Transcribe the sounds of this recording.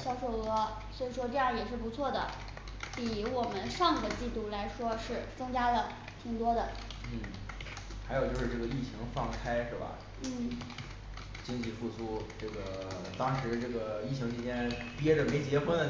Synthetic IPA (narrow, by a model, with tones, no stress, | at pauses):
ɕjɑ˥ʊʂo˥˩ʊɤ˧˥ | swɔ˧˥i˨˩ʂwɔ˥ʈ͡ʂɤ˥˧jɑ˥˩ŋjɛ˨˩ʂ̬ɻ̩˥˩pu˧˥t͡sʰwɔ˥˩d̪ə̰˩ | pi˨˩˦wɔ˨˩mə˦nʂɑ˥˩ŋd̪ə˩t͡ɕi˥˧t̪u˥˩la˧˥ɪʂwɔ˥ʂɻ̩˥˩t͡sɤ˥ŋt͡ɕja˥lə˨ | t̪ʰi˧˩ŋt̪wɔ˥d̪ə˨n̩˥˩ | xa˧˥ɪo˨˩t͡ɕjo˥˧ʊʂɻ̩˥˧ʈ͡ʂɤ˥˩ɡə˩i˥˩t͡ɕʰi˧˥ŋfɑ˥˩ŋkʰa˥ɪʂɻ̩˥˩bɐ̰˩ | n̩˥˩ | t͡ɕi˥ŋt͡ɕi˥˧fu˥˧t͡sʰu˥˩ʈ͡ʂɤ˥˩ɡə˩t̪ɑ˥ŋʂɻ̩˧˥ʈ͡ʂɤ˥˩ɡə˩i˥˩ɕʰi˧˥ŋt͡ɕʰi˥t͡ɕjɛ˥npjɛ˥ʈ͡ʂə˨me˧˥ɪt͡ɕjɛ˧˥xwə˥n˩